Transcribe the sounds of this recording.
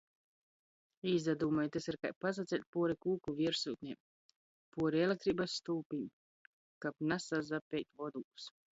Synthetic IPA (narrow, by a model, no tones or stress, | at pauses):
iːzad̪uːmajt̪esiɾka̰jpas̬at̪sɛl̚ʲpuɔɾikuːkuviɛɾsuːt̪ʲnʲem | puɔɾielekt̪ɾiːbasːt̪uːpʲiɲ | kapnasazapʲɛjt̪ʲvɔd̪uːku̥s